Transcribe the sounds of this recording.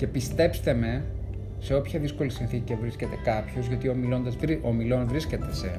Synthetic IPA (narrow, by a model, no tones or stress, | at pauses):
ce̞pist̪e̞pst̪e̞me̞ | se̞o̞pçɐðisko̞lisinθiciɐvɾiscet̪e̞kɐpço̞zʝɐt̪iomilo̞nd̪ɐziomilo̞nvɾisce̞t̪e̞se̞